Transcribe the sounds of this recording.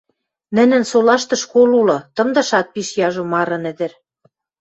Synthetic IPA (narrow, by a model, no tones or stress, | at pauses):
nɘ̆nɘ̆nsolɑʃt̪ɤ̆ʃkolulɤ̆t̪ɤ̆md̪ɤ̆ʃɑt̪̚piʃjɑʒŏmɑɾɤ̆nɘ̆d̪ɘ̆ɾ